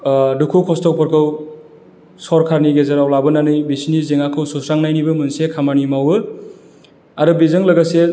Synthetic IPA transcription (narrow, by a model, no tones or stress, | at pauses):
dukʰukʰɔstɔw̚pʰɔɾkʰɯw | sɔɾkʰaɾniɡezɐɾawlabɯnanɯjbisinizeŋakʰɯwsusɾaŋnajnibɯmɯnsekʰamanimawbɯ | aɾɯbizɯŋlɐɡase